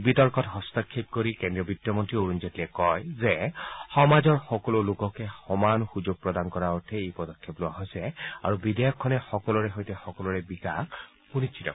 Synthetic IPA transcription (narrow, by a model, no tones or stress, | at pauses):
bitɔɹkɔtɦɔstɔkʰːip̚koɹikendɹiɔbitːjɔmɔntɹioɹunzɔtilɛkɔjzɛxɔmazɔɹxɔkɔlolokɔkɛxɔmanxuzoɡ̚pɹɔdankɔɹaɔɹtʰɛejpɔdɔkʰːeplʊaɦɔjsɛa̰ɹubidɛjɔkʰːɔnɛxɔkɔlɔɹɛɦɔjtɛxɔkɔlɔɹɛbikak | punit͡ʃʰitɔ̰